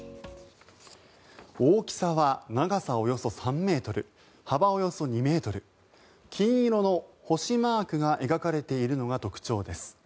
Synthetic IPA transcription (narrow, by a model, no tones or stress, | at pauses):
oːkʲi̥saβanaɡasao̞jo̞so̞sãmːe̞ːt̪o̞ɾɯ̟ | habao̞jo̞so̞ɲ̟ime̞ːt̪o̞ɾɯ̟ | kʲʰĩɰ̃iɾo̞no̞ho̞ɕimaːkɯ̟ɡaʔe̞ɡakaɾe̞t̪e̞iɾɯ̟no̞ɡat̪o̞kɯ̟̥t͡ɕo̞ːd̪e̞sɨ̥